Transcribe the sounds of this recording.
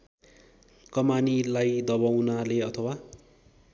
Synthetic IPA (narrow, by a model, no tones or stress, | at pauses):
kʌmanilajd̪ʌbawnaleʌt̪ʰʌwa